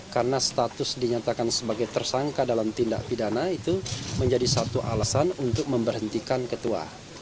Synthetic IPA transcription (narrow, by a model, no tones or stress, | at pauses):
karənast̪at̪ʊsdiɲat̪akansəbaɡajt̪ərsaŋkadalamt̪inda̰ʔpidanait̪uməɲd͡ʒadisat̪uʔalasanunt̪ʊk̚məmbərɦənt̪ikankət̪ua̰